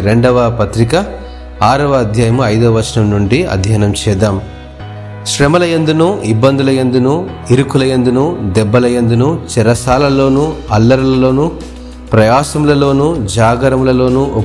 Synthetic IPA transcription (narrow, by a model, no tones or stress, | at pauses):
ɾeɳɖɐʋɐpɐt̪ɾikɐ | aːɾɐʋɐːd̪ʱjaːjɐmuɐjd̪oːʋɐt͡ʃɐnɐmnuɳɖiɐ̰d̪ʱjaːnɐmt͡ʃɛːd̪aːm | ʃɾemɐlɐjɐnd̪unuʔibːɐnd̪ulɐjɐnd̪unuiɾukulɐjɐnd̪unuːd̪ɛbːɐlɐjɐnd̪unut͡ʃɛɾɐsaːlɐlo̞ːnuɐlːɐɾulɐlo̞ːnu | pɾɐjaːsɐmlɐlo̞ːnud͡ʒaːɡɐɾɐmulɐlo̞ːnuʔ